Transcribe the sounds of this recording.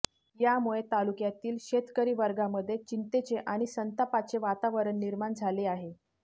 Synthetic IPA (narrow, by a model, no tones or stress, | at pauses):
jamuɭet̪alukjat̪iːlɕet̪kəɾiːʋəɾɡaməd̪ʱːjet͡ɕint̪et͡seʔaɽ̃isənt̪apat͡seʋat̪aʋəɾəɳːiɾmaɳd͡zʱaleaɦe